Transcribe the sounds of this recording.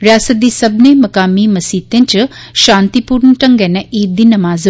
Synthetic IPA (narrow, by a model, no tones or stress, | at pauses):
ɾʲjaːsɐt̪̚d̪isɐbnemɐkaːmimɐsiːt̪ent͡ʃɨʃãːnt̪ipuɾnəʈɐŋɡɛnɐʔiːɾd̪inɐmaːz